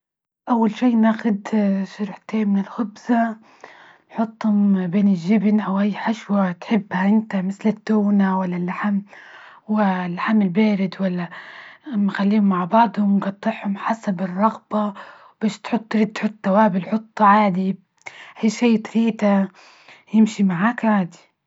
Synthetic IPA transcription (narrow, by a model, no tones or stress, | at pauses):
ʔawːalʃiːnaːxʊd̪ʃʊɾħt̪eːnmɪnɪlxʊbza | nħʊt̪ˤːhʊmbeːnɪlʒːɪbnʔawʔajːħaʃwat̪ħɪbːhaʔɪnt̪amɪθlɪt̪ːuːnawalːalːaħamwɪlːaħamɪlbeːɾɪd̪walːaamːaxalːiːhʊmːaʕbɑʕd̪ˤhʊmɡɑt̪ˤːɪħhʊmħasabɪrˤːɑɣbawb̥aːʃt̪ħʊt̪ˤːɾid̪̚t̪ħʊt̪ˤːawaːbɪlħʊt̪ˤːʕaːd̪i | ʔajʃiːt̪fiːt̪a | jɪmʃimaʕaːkʕaːd̪i̥